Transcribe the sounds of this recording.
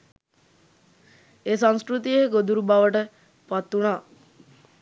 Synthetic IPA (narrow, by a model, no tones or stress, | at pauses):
eːsãŋskɾut̪ijeɡod̪uɾubaʋəʈə | pat̪ːunaː